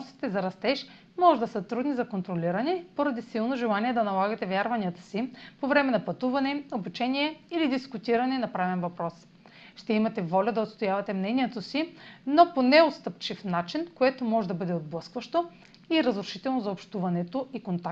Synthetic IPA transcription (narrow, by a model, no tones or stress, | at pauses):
nst̪i̥t̪ɛzɐɾɐst̪ɛʃ | mɔʒɛd̪ɐsɐt̪ɾud̪nizɐkont̪ɾolʲiɾɐnɛpoɾɐd̪isilˠnoʒɛlˠaniɛd̪ɐnɐlˠaɡɐt̪ɛvʲjaɾvɐnijət̪ə̥sipovɾɛmɛnɐpɐt̪uvɐnɛobut͡ʃɛniɛilid̪iskut̪iɾɐnɛnɐpɾavɛnvɐpɾɔs | ʃt̪ɛimɐt̪ɛvɔlʲɐd̪ɐot̪st̪ojavɐt̪ɛmnɛniɛt̪osinoponɛot̪st̪əp̚t͡ʃifnat͡ʃinkoɛt̪omɔʒɛd̪ɐbɤd̪ɛod̪̚blˠɤskvɐʃt̪o | iɾɐzɾʊʃit̪ɛlˠnozɐopʃt̪uvɐnɛt̪oʔikont̪ak̪